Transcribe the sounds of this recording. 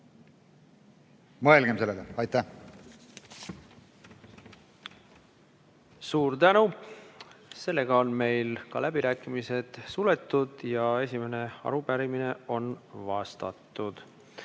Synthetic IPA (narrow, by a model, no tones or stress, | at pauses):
mɤelɡ̥emse̞lːeleɑjt̪æh | suːɾt̪ænu | se̞lːe̞ɡ̥ɑo̞nme̞jlkɑlæb̥iɾæːkːˑimise̞d̪̥sule̞t̪ːud̪̥jɑe̞sʲime̞ne̞ɑ̰ɾubæɾimine̞o̞nvɑst̪ɑ̰t̪ːˑud̪̥